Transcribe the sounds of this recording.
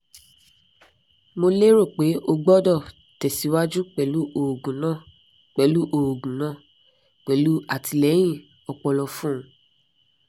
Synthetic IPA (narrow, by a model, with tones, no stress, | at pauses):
mo˧le˦ɾo˦˨k͡pe˨˦ʔo˧ɡ͡bɔ˦dɔ˦˨ | tɛ˨si˨˦wa˦d͡ʒu˦k͡pɛ˨lu˨˦ʔo˨ɡũ˨˦nãː˦˨ | k͡pɛ˨˦lu˦ʔo˨ɡũ˨nã˦˨ | k͡pɛ˨˦lu˦a˨ti˧˨lɛ˨˦j̃ĩ˦˨ | ɔ˧k͡pɔ˧lɔ˧fũ˦